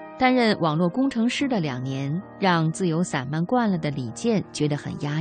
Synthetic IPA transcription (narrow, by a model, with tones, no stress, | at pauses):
t̪a˥nɻə˥˩nwʔɑ˨˩ŋlwɔ˥˩kʊ˥ŋʈ͡ʂʰɤ˧˥ŋʂɻ̩˥d̪ə˨ljɑ˨˩ŋnjɛ˧˥nɻɑ˥˧ŋt͡sɹ̩˥˩jo˧˥ʊsa˨˩nma˥˧nkwa˥˩nlə˩d̪ə˩li˨˩t͡ɕjɛ˥˩nt͡ɕɥɛ˧˥d̪ə˧xə̰˨˩nja˥